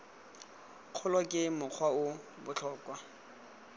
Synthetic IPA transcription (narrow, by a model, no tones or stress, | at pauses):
q͡χʰʊlɔkʼɪmʊq͡χʰwaʊ | bʊt͡ɬʰɔːkʼwa